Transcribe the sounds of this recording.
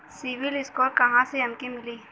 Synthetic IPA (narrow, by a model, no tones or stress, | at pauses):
siʋɪlɪskɔːɾkɐɦãseɐmkimɪliː